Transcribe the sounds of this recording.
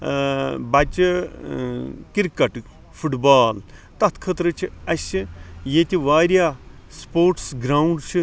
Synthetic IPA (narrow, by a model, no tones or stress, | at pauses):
bɐt͡ʃi | kiɾkɐʈ | fʰuʈbaːlt̪ɐt̪ʰkʰɐt̪ɾɨt͡ʃʰiɐsijet̪ʲiʋaːɾjaːspoːɾʈsɡɾaːuɳɖt͡ʃʰi